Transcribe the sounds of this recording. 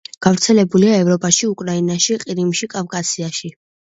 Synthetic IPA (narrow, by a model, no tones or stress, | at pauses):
ɡ̥avɾt̪sʰɛlɛbuliaɛvɾɔpʼaʃiukʼɾainaʃiqʼiɾimʃikʼavkʼasiaʃi